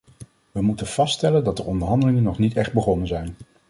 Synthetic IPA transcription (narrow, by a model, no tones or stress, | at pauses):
ʋəmutənv̥ɑstɛləndɑt̚dəɹɔndəɹɦɑndəlɪŋənɔχnitɛχd̚bəχɔnənzɛjn